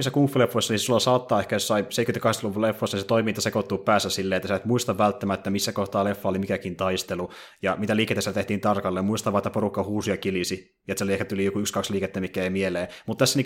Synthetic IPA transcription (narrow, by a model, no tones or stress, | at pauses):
sːækuːfːilefːoisːɑnissulːɑsɑːt̪ːɑːehkæjossɑiseit̪kymet̪kɑhesɑluʋullefːoisːɑniset̪oimint̪ːɑsekot̪ːupæːsːæsilːeːet̪ːæsæt̪muist̪ɑʋʋælt̪ːæmæet̪ːæmisːækoht̪ɑːlefːɑolimikækint̪ɑist̪elu | jɑmit̪æliːket̪æsielt̪eht̪iːnt̪ɑrkɑlːemmuist̪ɑʋɑːet̪ːæporukːɑhuːsiɑkilisi | et̪seliehkæt̪ulijokuykskɑksliːket̪ːemikːæeimieleːmut̪t̪æsːæni